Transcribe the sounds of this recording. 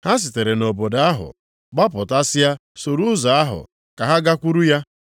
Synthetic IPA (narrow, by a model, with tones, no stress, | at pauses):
ha˦s̬ɪ˨te˨ɾe˨no˨bo˨da˦ɦʊ̰˨ | ɡ͡ba˦pʊ˨ta˦sɪ˦a˦so˨ɾu˦za˨a˦ɦʊ̰˨ | ka˨ɦa˦ɡa˦kʷu˦ɾu˦ja˦